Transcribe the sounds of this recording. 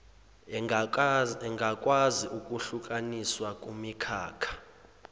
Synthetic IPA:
ɛŋɡʱakʼwaziʔukʼuɬukʼaniswakʼumikʰaːkʰḁ

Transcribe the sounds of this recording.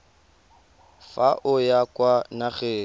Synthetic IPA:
faʔʊjakwanaɣeː

